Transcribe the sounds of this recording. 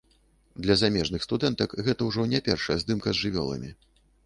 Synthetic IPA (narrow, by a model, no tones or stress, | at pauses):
d̪lʲɐzamʲɛʐnɨxst̪ud̪ɛnt̪ɐkɣɛt̪ɐwʐɔnʲɛpʲɛrʂɐjɛzd̪ɨmkɐzʐɨvʲɔ̰lˠɐ̰mʲi